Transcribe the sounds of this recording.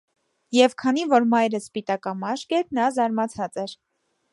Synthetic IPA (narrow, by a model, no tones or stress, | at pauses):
jɛvkʰɑn̪ivɔɾmɑjɾəspit̪ɑkɑmɑʃkɛɾnɑzɑɾmɑt͡sʰɑt͡sɛɾ